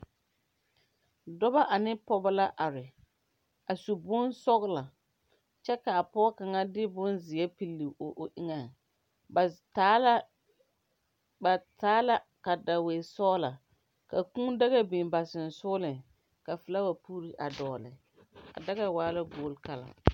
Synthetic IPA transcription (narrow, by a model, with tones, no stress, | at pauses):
dɔ˦ba˦ʔa˨nɪ˦pɔ˦ba˦la˦ʔa˨ɾɪ˨ | a˨su˨bʊ˦nsɔ˦ɣla˨ | t͡ʃɛ˦ka˨a˨pɔ˦ka˨ŋa˦dɪ˦bʊ˦nzɪ˨ɛ˦pi˨lːi˨o˨ʔo˨ʔɪ˦ŋa˨˦ | ba˨taː˨˦la˦ka˨da˨we˨sɔː˦la˨ | ka˨kũ˦da˦ɣa˦bi˨nba˨sɪ˨n̩˨sʊː˦lɪ˨ | ka˨fɪ˨la˦wa˨puː˦ɾi˨ʔa˨dɔː˨lɪ̰˨ | a̰˨da˦ɣa˨waː˨˦la˦ɡoː˦lka˦la̰˨